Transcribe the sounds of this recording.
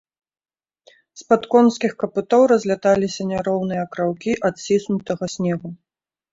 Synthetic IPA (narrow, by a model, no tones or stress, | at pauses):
spat̪kɔnskʲixkɐput̪ɔwɾɐzʲlʲat̪alʲisʲɐnʲaɾɔwnɨjɐkɾawkʲiʔat̪ʲsʲisnut̪ɐɣɐsʲnʲɛɣu